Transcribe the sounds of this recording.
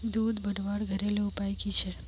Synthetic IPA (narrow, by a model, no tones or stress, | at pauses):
d̪ud̪bəɽʋaɽɡʱəɾeleupajkit͡ʃʰe